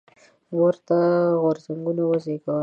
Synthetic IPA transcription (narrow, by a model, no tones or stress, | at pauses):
wəɾt̪aɣoɾzaŋɡunawazeɡɑ